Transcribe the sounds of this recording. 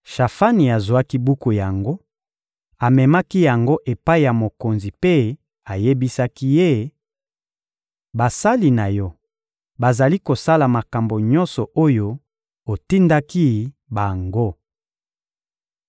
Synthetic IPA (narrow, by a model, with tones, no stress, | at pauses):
ʃa˨fa˦ni˨a˨zwa˦ki˦bu˦ko˨ja˨ŋɡo˦ | a˨mɛ˨ma˦ki˦ja˨ŋɡo˦ʔe˨pa˦i˨ja˨mo˨ko˨nzi˨pe˦ | a˨je˦bi˦sa˦ki˦je˦ | ba˨sa˦li˨na˨jɔ˦ | ba˨za˨li˦ko˨sa˦la˨ma˨ka˨mbo˨ɲɔ̃˦nsɔ˨ʔo˦jo˦ | o˨ti˦nda˦ki˦ | ba˨ŋɡo˦